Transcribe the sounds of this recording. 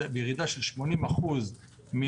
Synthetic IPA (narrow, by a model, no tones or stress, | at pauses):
bejeʁid̪aʃelʃmo̞nimaχuz | mi